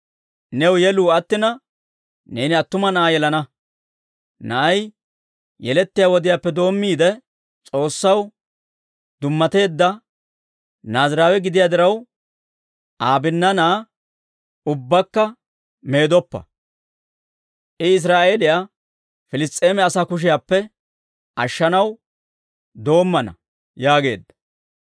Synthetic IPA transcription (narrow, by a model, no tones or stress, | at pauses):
nɛwjɛluːɐt̪ːɪnɐ | ne̞ːnɪɐt̪ːʊmɐnɐʔajɛlɐnɐ | nɐʔɐj | jɛlɛt̪ːɪjawɔd̪ɪjaːpːɛd̪o̞ːmːiːd̪ɛ | t͡sʼo̞ːsːɐw | d̪ʊmːɐt̪e̞ːd̪ːɐ | naːzɾaːwɛɡɪd̪ɪjad̪ɪɾɐw | ʔaːbɪnːɐnaː | ʊbːɐkːɐ | me̞ːd̪ɔpːɐ̰ | ʔɪɪs̬ɾaːʔeːlɪjaː | fɪlɪst̪ʼːe̞ːmɛɐsaːkʊʃ̬ɪjaːpːɛ | ʔɐʃːɐnɐw | d̪o̞ːmːɐnɐ̰ | jaːɡe̞̰ːd̪ːɐ̥